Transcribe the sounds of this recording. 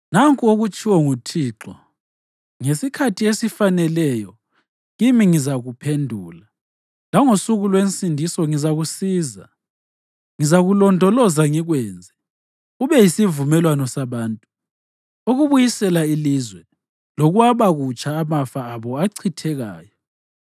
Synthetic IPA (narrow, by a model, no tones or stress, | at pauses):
naŋkʼuoɣut͡ʃʰʼiwɔŋutʰiːǁɔ | ŋesikʰatʰiesifanɛlɛjɔ | ɣimiŋizaɣupʰendʱuːla | laŋosuɣulwensʼindʱisɔŋizaɣusiːza̰ | ŋizaɣulɔndʱɔlɔzaŋiɣwɛːnd͡zʱɛ | uβɛjisivumɛlwanɔsaβaːntʼu | oɣuβujisɛlailizwɛ | lɔɣwaβaɣut͡ʃʼaːmafaːβɔaǀʰitʰɛɣa̰ːjɔ